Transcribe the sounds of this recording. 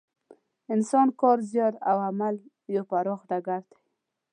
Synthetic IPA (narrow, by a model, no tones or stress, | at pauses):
ɪnsɑnkɑɾzjɑd̪awamal | jopaɾɔxɖaɡaɾd̪e̥